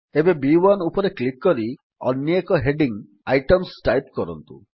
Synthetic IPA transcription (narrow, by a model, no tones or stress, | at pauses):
ebebiwanupɔɾeklik̚kɔɾi | ɔ̰nːjɔekɔɦeɖiŋ | ajʈɔmsʈajpkɔɾɔ̰nt̪ṵ